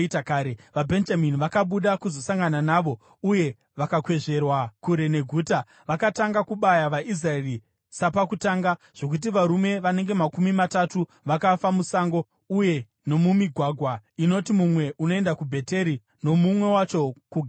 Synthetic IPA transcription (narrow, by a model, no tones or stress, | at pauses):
itakaːɾeʋabʱe̞nd͡ʒaminiʋakaɓuɗakuzo̞saŋɡananaːʋo̞ | uje̞ | ʋakakwe̞ʐe̞rwakuɾe̞ne̞ɡʱuːta | ʋakataŋɡakuɓajaʋaʔis̬raeri | sapakutaːŋɡa | ʐ̥o̞kut̬iʋaɾume̞ʋane̞ŋɡe̞makumimatatu | ʋakafamusaːŋɡo̞ | uje̞ | no̞mumiɡʱwaːɡʱwaino̞timumwe̞ʔuno̞e̞ndakubʱe̞te̞ɾi | no̞mumwe̞wat͡ʃo̞kuɡʱa